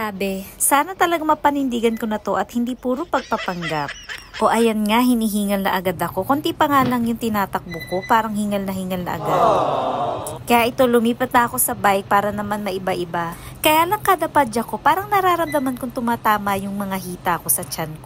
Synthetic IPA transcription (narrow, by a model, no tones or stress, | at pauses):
saːbɛsaːnɐt̪ɐlɐɡamɐpɐnɪnd̪iːɡɐnko̞nɐt̪o̞ʔɐt̪̚hɪnd̪iːpuːɾopɐɡ̚pɐpɐŋɡap̚ʔo̞ʔɐjɐnŋaɦɪniːɦiːŋɐlnɐ̰ʔɐɡad̪ɐko̞kont̪ipɐŋaːlɐŋjʊŋt̪ɪnaːt̪ɐk̚bʊko̞paːɾɐŋhiːŋɐlnɐhiːŋɐlnɐ̰ʔɐ̰ɡad̪̚ | kɐjaʔɪt̪o̞lʊmiːpɐt̪̚nɐʔɐko̞sɐbaj̚paːɾɐnɐmanmɐʔɪbaʔɪba | kɐjaːlɐŋkad̪ɐpad͡ʒɐko̞paːɾɐŋnɐɾaːɾɐmd̪ɐmankʊŋt̪ʊmaːt̪aːmɐjʊŋmɐŋaɦiːt̪ɐɐko̞sɐt͡ʃanko